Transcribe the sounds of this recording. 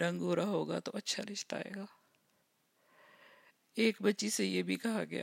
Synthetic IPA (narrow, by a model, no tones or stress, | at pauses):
ɾɐ̃ŋɡoːɾaɦoːɡa̰t̪oɐtːʃʰaɾɪʃt̪a̰ːḛːɡaː | eːkbɐtːʃisejebʱikɐɦaɡɐja̰